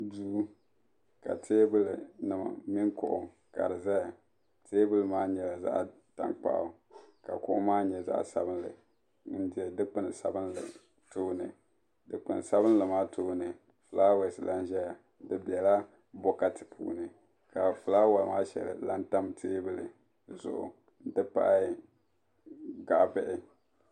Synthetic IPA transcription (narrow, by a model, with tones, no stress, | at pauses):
duː˦ | ka̰˨tʰeː˦bɨ˦lɨ˨nɨ˨ma̰˨mi˦ŋkʊ̰˨ʔʊ˨ | ka̰˨ɾɨ˨za˦a˨ | tʰeː˦bɨ˦lɨ˨maː˦ɲɛ˨la˨za̰˦ʔ | ta̰˦ŋk͡pa̰˦ʔʊ̰˨ | ka̰˨kʊ˦ʔʊ˦maː˦ɲɛ˨za̰˦ʔsa˦bɨ˦n˦lɨ˨˦ | n̩˦dɪ˨ɛ˨dɨ˦k͡pɨ˦nɨ˨sa˨bɨ˦n˦ɨ̰˨ | toː˦nɨ˨ | dɨ˨k͡pɨ˨n˨sa˦bɨ˦n˦lɨ˨maː˦tʰoː˦nɨ˨ | fɨ˨laː˦wɛ˨sɨ˨la˦nʒɛ˦ja˨˦ | dɨ˦bi˨ɛ˨la˦ | bɔ˦ka˦tɨ̥˨pʰṵː˦nɨ˨ | ka˨fɨ˨laː˦wa˨lmaː˦ʃɛ̰˨lɨ̰˨la˦nta˦mtʰeː˦bɨ˦lɨ̰˨ | zʊ̰˨ʔʊ̰˨ | n̩˦dɨ˦pa̰˦ʔ | ɡa˨ʔbɛ˦ʔɪ˦